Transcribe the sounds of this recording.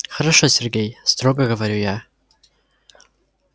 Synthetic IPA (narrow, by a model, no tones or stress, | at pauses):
χəɾaʂosʲerɡʲe̞jstroɡaɡɨvaɾʲuja